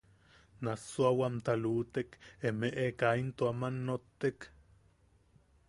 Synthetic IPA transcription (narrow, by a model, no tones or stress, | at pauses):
nasoawamt̪aluːt̪ekemeʔekaint̪oamanːot̪ːek